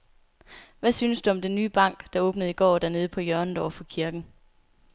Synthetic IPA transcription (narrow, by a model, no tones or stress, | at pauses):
ʋæsyːnəsd̥uɒ̽md̥enːyːb̥ɑ̈ŋ̰ɡ̥d̥ɑ̈ɔ̽ːb̥nəð̞̩ˠiɡ̥ɒ̰ːd̥æɐne̝ːð̞̩ˠpʰɒ̽jɶɐnədɒfɒ̽kʰiɐɡ̥n̩